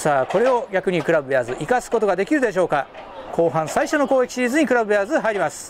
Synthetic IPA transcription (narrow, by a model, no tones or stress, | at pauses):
saːko̞ɾe̞o̞ɡʲakɯ̟ɲ̟ikɯ̟ɾabɯ̟jazɨʔikasɨ̥ko̞t̪o̞ɡad̪e̞kʲiɾɯ̟d̪e̞ɕ̬o̞ːka | kʰo̞ːɦãɰ̃saiɕo̞no̞ko̞ːekʲi̥ɕiiːzɨɲ̟ikɯ̟ɾabɯ̟jazɨɦaiɾʲimasɨ̥